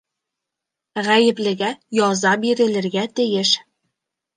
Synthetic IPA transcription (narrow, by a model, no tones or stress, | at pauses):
ʁæjɘ̆plɘ̆ɡæjɒzɑbiɾɘ̆lɘ̆ɾɡæt̪ɘ̆jɘʃ